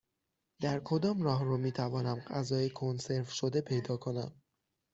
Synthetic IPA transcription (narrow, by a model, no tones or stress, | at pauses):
d̪̥æɾkʰo̞d̪ɒːmrɒːɦrumiːt̪ʰævɒːnæmɢæzɒːjekʰonse̞ɾvʃo̞d̪e̞pʰe̞jd̪ɒːkʰo̞næ̰m